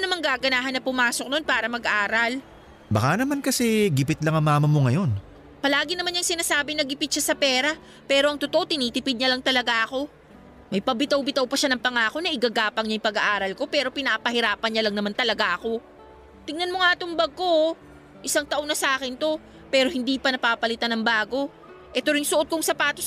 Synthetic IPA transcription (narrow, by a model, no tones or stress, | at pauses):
nɐmaŋɡaːɡɐnaːɦɐnːɐpʊmaːsok̚no̞npaːɾɐmɐɡʔaːɾɐl | bɐkanɐmankɐsɛɡɪpɪt̪̚lɐŋɐŋmːaːmɐmoŋɐjo̞n | pɐlaːɡɪnɐmanjɐŋsɪnaːsaːbɪnɐɡɪpɪt̪̚ʃasɐpɛːɾɐ | pɛːɾo̞ɐŋt̪ot̪oʔo̞t̪ɪniːt̪ɪpɪd̪̚ɲɐlɐŋt̪ɐlɐɡaʔɐko̞ | mɐjpɐbɪt̪ɐwbɪt̪ɐwpɐʃanɐŋpɐŋaːko̞nɐʔɪɡaɡaːpɐŋɲɐjɪpɐɡɐʔaːɾɐlko̞pɛːɾo̞pɪnapɐhɪɾaːpɐnɲɲɐlɐŋnɐmant̪ɐlɐɡaʔɐko̞ | t̪ɪŋnɐnmoŋaːt̪oŋbɐɡ̚ko | ʔɪsaŋt̪ɐʔo̞nɐsɐʔaːkɪnt̪o̞ | pɛːɾo̞hɪnd̪iːpɐnɐpapɐlɪt̪anɐŋbaːɡo̞ | ʔɛt̪oɾɪŋsʊʔo̞t̪̚kʊŋsɐpaːt̪o